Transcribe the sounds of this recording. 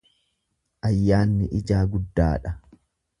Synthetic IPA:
ʔɐjːaːnːɪʔɪd͡ʒaːɡʊd̪ːa̰ːᶑɐ

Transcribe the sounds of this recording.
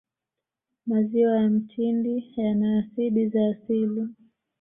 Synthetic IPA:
maziwajam̩tindijanaːsiɗizaːsili

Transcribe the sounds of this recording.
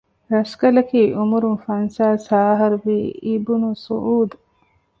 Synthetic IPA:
ɾɐskɐlɐkiːʔumuɾunfɐnsaːsaːɦɐɾuʋiːibunusṵʔuːd̪u

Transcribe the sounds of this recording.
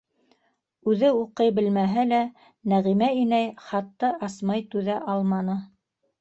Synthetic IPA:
ʉðɘuqɤjbɘ̆lmæɦælæ | næʁimæinæjχɑt̪ːɤʔɑsmɑjt̪ʉðæʔɑlˠmɑnɤ

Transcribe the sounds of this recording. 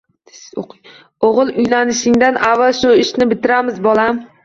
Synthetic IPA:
oqʰɨj | oʁɨlˠʊjnanɪʃɪŋd̪anʔavːalˠʃʊɪʃnɪbɪt̪ʰɪɾamɪzbɒlˠam

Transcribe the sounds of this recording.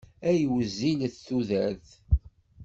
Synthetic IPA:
æjwəzːilθθuðæɾθ

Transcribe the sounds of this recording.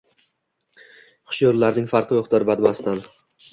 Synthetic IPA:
χʊ̥ʃjɒɾlaɾnɪŋfaɾqɨjoχt̪ʰaɾbad̪mast̪an

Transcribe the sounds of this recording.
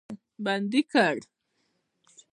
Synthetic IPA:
band̪ikaɽ

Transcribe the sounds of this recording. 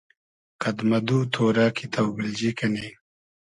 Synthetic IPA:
kɐd̪mɐd̪uːt̪ʰoːɾaːkʰit̪ʰɐwbild͡ʑikɐni

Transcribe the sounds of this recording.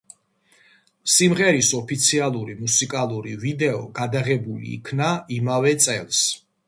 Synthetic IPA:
simʁɛɾisɔpʰit̪sʰialˠuɾimusikʼalˠuɾivid̪ɛɔɡad̪aʁɛbulḭːkʰnaimavɛt̪sʼɛlˠs

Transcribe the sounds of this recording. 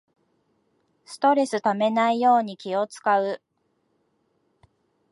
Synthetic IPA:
sɨ̥t̪o̞ɾe̞sɨt̪ame̞naijo̞ːɲ̟ikʲio̞t͡sɨ̥kaɯ̟

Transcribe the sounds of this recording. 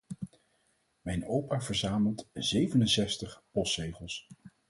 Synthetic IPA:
mɛjnowpaːvəɹzaːməlˠtzejvənənsɛstəχpɔstrejχəlˠs

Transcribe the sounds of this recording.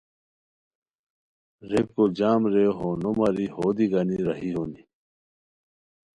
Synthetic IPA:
ɾekod͡ʑaːmɾeɦonomɐɾihoːd̪iɡɐniɾɐɦiɦoːni

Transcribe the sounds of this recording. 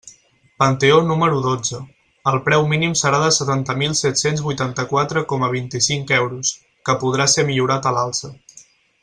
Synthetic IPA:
pənt̪eonuməɾuðod͡zə | əlˠpɾɛwminimsəɾaðəsət̪ant̪əmilˠsɛt̪senzβujt̪ant̪əkwat̪ɾəkɔməβ̞int̪isiŋkɛwɾus | kəpuð̞ɾasemiʎuɾat̪əlalˠsə

